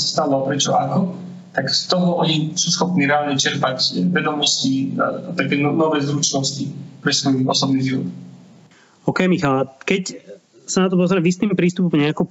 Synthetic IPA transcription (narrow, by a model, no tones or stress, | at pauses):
sḁst̪alalpɾɛt͡ʃɔʔakɔ | t̪akst̪ɔɦɔɔɲisuːsxɔpniːɾɛaːlɲɛt͡ʃɛɾpacʋɛd̪ɔmɔscia̰at̪akɛːɔnɔʋɛːzɾut͡ʃnɔscipɾɛsʋɔjɔ̰sɔbniːʒiʋɔ̰t̪ | ɔkɛjmixalkɛc | sanat̪ɔpɔzɾɛmvist̪iːmpɾiːst̪upɔmɲɛakɔ